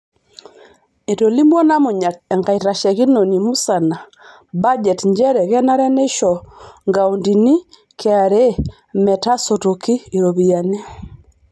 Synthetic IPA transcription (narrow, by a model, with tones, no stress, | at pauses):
e˨to˨li˦mɔ˦na˦mʊ˨ɲa˨tɛ˨ŋɡa˨i˨ɾa˨ʃɛ˨ki˦no˨ni˨mu˦sa˨na˨ | ba˦d͡ʒɛ˨tɲd͡ʒɛ˦ɾɛ˨kɛ˦na˦ɾɛ˦ne˦ʃɔ˨ŋɡa˨u˨ndi˨ni˦ | kɛ˨a˨ɾe˦ | mɛ˨ta˦so˨to˨kiː˦˨ɾo˨βi˨a˨ne˦